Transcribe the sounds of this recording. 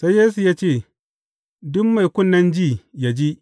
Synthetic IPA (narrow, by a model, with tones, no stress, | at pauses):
sa˦jːeː˦s̬u˨jaː˦t͡ʃeː˦˨ | dʊ˦mma˨jkʷʊ˦nːɐ˦nd͡ʒiː˦˨ja˨d͡ʒi˦ʔ